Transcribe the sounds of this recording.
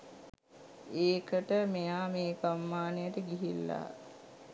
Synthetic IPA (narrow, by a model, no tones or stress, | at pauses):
eːkəʈəmejaːmeːkamːaːnejəʈəɡiɦilːa̰